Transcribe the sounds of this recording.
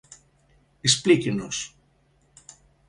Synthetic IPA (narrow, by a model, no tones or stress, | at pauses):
isplicinos